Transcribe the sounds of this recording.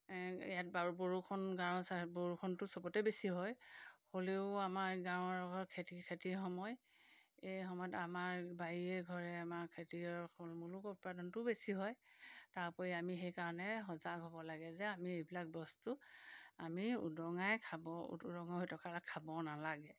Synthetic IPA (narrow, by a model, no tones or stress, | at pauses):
jat̚bauboɹukʰɔnɡaɹɔsaboɹukʰɔntʊsɔbɔtɛbesiɦɔjxoleʊamaɹɡawɔɹɔɡɔɹkʰetikʰetixɔmɔj | ejxɔmɔjɔtamaɹbaɹiɛɡʱɔɹɛamaɹkʰetiɔɹkɔlmulukut̚padɔntʊbesiɦɔjtaɹpɔɹiamixejkaɹɔnɛɦɔzaɡɦɔbɔlaɡɛzɛamiejbilak̚bɔstʊamiṵdɔŋajkʰabɔ̰dɔŋaɦojtɔkaɹakʰːabɔnalaɡɛ